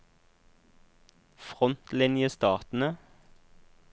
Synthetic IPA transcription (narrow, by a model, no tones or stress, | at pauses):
fʁɔnt̪lɪnjəst̪ɑːʁt̪n̩ə